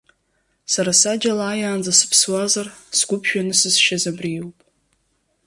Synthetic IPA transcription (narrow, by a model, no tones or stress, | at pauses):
saɾasad͡ʒalaːjaːnd͡zasɨ̥pʰswazarsɡʷʊpʰʃᶣanɨsɨzʃazabrijwpʼ